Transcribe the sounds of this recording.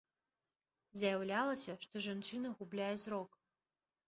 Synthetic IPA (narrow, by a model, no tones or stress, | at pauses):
zʲjawlʲalˠɐsʲɐʂt̪ɔʐant͡ʂɨnɐɣublʲajɛzɾɔk